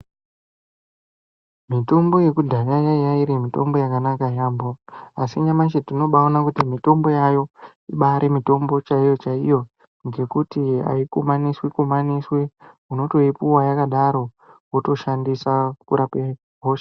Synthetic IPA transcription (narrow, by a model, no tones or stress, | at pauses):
mito̞mbo̞je̞kudʱajajajaiɾemito̞̰mbo̞jakanakajaːmboasiɲamat͡ʃetino̞ɓaonakutimito̞mbo̞jajo̞ | iɓaɾemito̞mbo̞t͡ʃaijo̞t͡ʃaijo̞ | ŋɡe̞kutia̰ikumaniswikumaniswe | uno̞to̞ipuwajakaɗaɾo̞ | woto̞ʃandisakuɾape | ɦoʃḁ